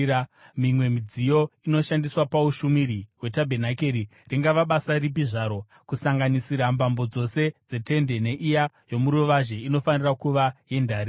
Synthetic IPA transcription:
mimwe̞mid͡zijo̞ino̞ʃandiswapauʃumiɾiwe̞tabʱenake̞ɾiriŋɡaʋaɓasaribiʐaɾo̞ | kusaŋɡanisiɾambambo̞d͡zo̞se̞d͡ze̞te̞nde̞ne̞ʔija | jo̞muɾuʋaʒe̞ino̞fanirakuʋaje̞ndaːɾi

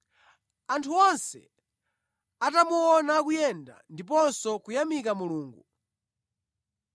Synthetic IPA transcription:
antʰuɔnsɛ̰ | atamuɔnakujɛnda̰ndip̬ɔnsɔkujamikamuluːŋɡu

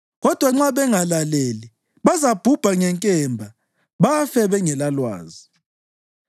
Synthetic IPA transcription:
ɣɔd̥ʱwaŋ͡ǁaβɛŋalaleli | βazab̥ʱub̥ʱaŋɛŋkʼɛmbʱa | βafɛβɛŋɛlalwa̰ːzi

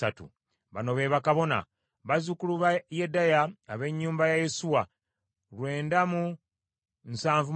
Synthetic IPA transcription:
atṵ | βano̞βe̞βakaβo̞na̰ | βazukuluβajedːajaːβe̞ɲːuːmbajaje̞suwa | lwe̞ːndamu | nsaːɱvu

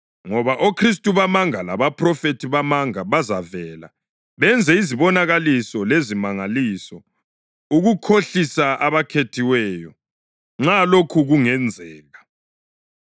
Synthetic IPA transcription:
ŋɔβaʔokʰris̬tʼuβamaŋala̰βapʰrɔfetʰiβamaŋaβazavɛla̰ | βɛnd͡zʱɛiziβɔnaɣalisɔlezimaŋaliːsɔ | uɣukʰoɬisaʔaβakʰetʰiwɛːjɔ | ŋ͡ǁalokʰuɣuŋɛnd͡zʱɛːɣa

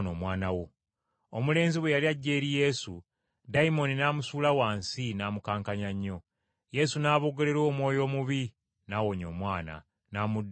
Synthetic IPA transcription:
noːmwaːnawo | omule̞ːnziβwe̞jaliaɟːe̞ːɾije̞su | daimo̞ninaːmusuːlawaːnsinaːmukaːŋkaɲaɲːo̞ | je̞sunaːβo̞ːɡe̞le̞ɾo̞ːmwo̞ːjo̞ːmuβi | naːwoɲo̞ːmwaːna̰ | namud

